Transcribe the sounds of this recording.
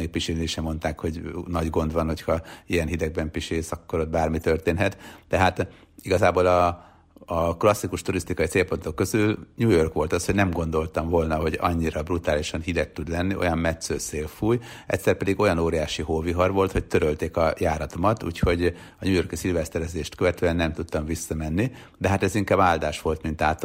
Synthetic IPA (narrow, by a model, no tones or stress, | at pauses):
eːk̚piʃeniiʃɛmo̞nt̪aːkho̞ɟnɒɟɡo̞nd̪ʋɒnho̞chɒijɛnɦid̪ɛɡ̚bɛmpiʃeːsɒkːo̞ɾod̪̚baːrmit̪ørt̪eːnɦɛt̪t̪ɛɦaːt̪ | iɡɒzaːboːlɒ | ɒklɒsːikuʃt̪uɾist̪ikɒit̪seːlpo̞nt̪okːø̞zylɲuːjo̞rkʋo̞lt̪ɒsho̞ɟnɛmɡo̞nd̪o̞lt̪ɒɱvo̞lnɒɦo̞ɟɒ̰ɲːiɾɒbrut̪aːliʃɒnhid̪ɛk̚t̪ːud̪lɛnːiʔo̞̰jɒmmɛt̪søːseːlfuːj | ɛ̰ct̪ʲsɛrpɛd̪iɡo̞jɒnoːɾijaːʃiɦoːviɦɒrʋo̞lt̪ho̞c̚t̪øɾølt̪eːkɒjaːɾɒt̪o̞mɒt̪ṵːcho̞ɟ | ɒɲuːjo̞rkisiːlvɛst̪ɛɾɛzeːʃt̪køvɛt̪øːɛnːɛmt̪ut̪ːɒɱvisːɒmɛnːi | d̪ɛɦat̪ɛziŋkaːbaːld̪aːʃʋo̞lt̪mint̪aːt̪